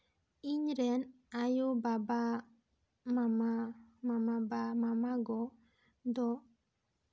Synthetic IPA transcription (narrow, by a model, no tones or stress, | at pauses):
iɲɾɛn | ajubaba | mamamamabamamaɡɔ | d̪ɔ